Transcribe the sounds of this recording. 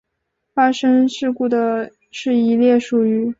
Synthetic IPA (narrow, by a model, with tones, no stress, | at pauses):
fa˥ʂə˥ŋʂɻ̩˥˧ku˥˩d̪ə˩ | ʂɻ̩˥˩i˧˥ljɛ˥˩ʂu˨˩y˧˥